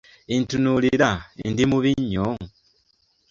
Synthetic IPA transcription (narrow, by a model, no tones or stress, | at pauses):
intunuliɾaindimuβiɲoŋ